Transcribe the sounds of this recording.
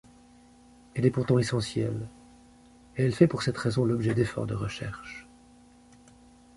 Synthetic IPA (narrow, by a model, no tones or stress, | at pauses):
ɛlɛpuʁt̪ɑ̃esɑ̃sjɛ̰l | eɛlfɛpuʁsɛt̪ʁɛzɔ̃lɔbʒɛd̪efɔ̰ʁd̪əʁəʃɛ̰ʁʃ